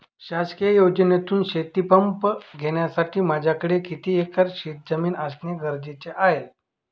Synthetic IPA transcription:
ɕaskijjod͡ʑənet̪uːnɕet̪ipəmpɡʱeɽ̃jasaʈʰiːmad͡ʑʱjakəɽekit̪iːekəɾɕiːt̪̚d͡zəmiːnasneɡəɾd͡ʑet͡seʔaɦe

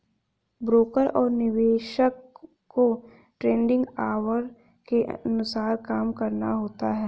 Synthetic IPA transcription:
bɾoːkəɾɔːɾnɪʋeːʃəkː | o | ʈɾẽːɳɖɪ̃ŋɡaːʋəɾ | keʔɐnʊsaːɾkaːmkɐɾnaɦoːt̪aɦɛː

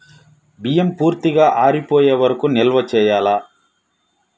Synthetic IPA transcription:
bijempuːɾt̪iɡaːʔaːɾipoːjeːʋɐɾɐkunɛlʋɐt͡ʃɛːjaːlɐ

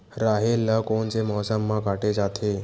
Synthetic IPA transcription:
ɾaɦelːəkoɳt͡semɔɦsəmːakaʈed͡zat̪ʰe

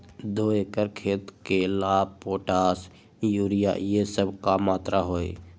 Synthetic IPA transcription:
d̪oːeːkəɾkʰeːt̪kelaːpoːʈaːs | juːɾija̰jesəbkamaːt̪ɾaɦoːḛ

